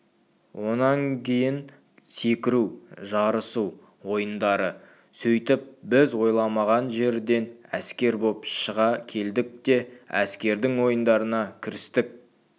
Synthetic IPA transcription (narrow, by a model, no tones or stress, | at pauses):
wʔo̞nɑŋkʲʰe̞jɪn | se̞kʲɪɾuʒɑɾəsu | wo̞jənd̪ɑɾə | sɵjt̪ɪp̚bɪzwo̞jlˠɑmɑʁɑnʒe̞ɾd̪e̞næskʲe̞ɾbopʃəʁɑkʲʰe̞ld̪ɪk̚t̪e̞æ̰skʲe̞ɾd̪ɪŋwo̞jənd̪ɑɾənɑkʲʰɪɾɪst̪ɪk̚